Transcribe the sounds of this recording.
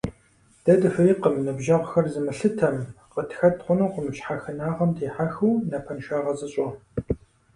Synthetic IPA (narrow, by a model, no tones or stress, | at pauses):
d̥ɐdɨfɨiːqəmnɨbʒɐʁʷxɐrzɨmɨɬɨtʰɐmqətxɐtʰqʷʊnuqʷʊmɨɕħaːxɨnaːʁɐmdʰeːħaxuwnɐpʰɐnʃaːʁɐzɨɕʼɔ